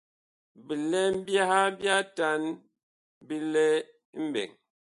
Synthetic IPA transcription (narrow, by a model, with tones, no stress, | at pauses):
bi˨lɛ˦m̩˦bja˦ha˦bja˦ta˦n | bi˦lɛ˦ | m̩˦bɛ̰˨ŋ